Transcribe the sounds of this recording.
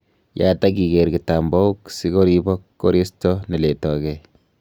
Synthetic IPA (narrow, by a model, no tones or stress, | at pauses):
ja̰takikeɾkitambɔuksikoɾibɔkːoɾistonɛletɔkɛ